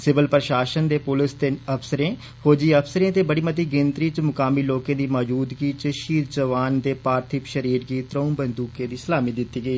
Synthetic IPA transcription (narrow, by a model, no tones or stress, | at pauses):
sɪʋəlpɾəʃaːʃənd̪eːpʊlɪst̪enəpʰsəɾẽː | hoːd͡ʒiːəpʰsəɾẽːt̪eːbəɽiːmət̪iːɡɪnt̪ɾiːt͡ʃmʊkaːmiːloːkẽːd̪iːmɔːd͡ʒuːd̪ɡiːt͡ʃəʃiːɾd͡ʒəʋaːnd̪eːpaːɾt̪ʰɪpʃəɾiːɾɡiːt̪ɾəũmbənd̪uːkẽːd̪iːsəlaːmiːd̪ɪt̪ːiːɡəiː